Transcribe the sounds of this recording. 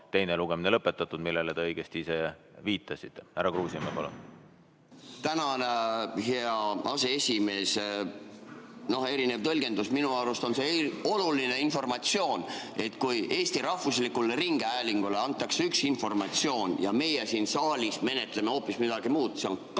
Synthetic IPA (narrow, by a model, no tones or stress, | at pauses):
t̪e̞jneluɡ̥eminelɤpːet̪ːˑɑt̪ːˑud̪̥milːelet̪eɤjɡ̥est̪iise̞viːt̪ːˑɑsit̪ːeæɾɑkruːsiɑmepɑlṵn | t̪ænɑneheɑɑse̞esʲime̞ːs | no̞he̞ɾine̞vt̪ɤlʲɡ̥e̞nd̪usminuɑwɾust̪o̞nse̞o̞luline̞info̞rmɑt̪sio̞ːne̞t̪ːkujʔe̞ːst̪iɾɑhvuslikːuleriŋɡ̥eæːliŋɡ̥ule̞ɑnt̪ːˑɑkseyksinfo̞rmɑt̪sio̞ːnjɑme̞jesiːnsɑːlʲisme̞ne̞t̪ˑle̞meo̞ːpːismid̪̥ɑɡ̥imuːd̪̥seonk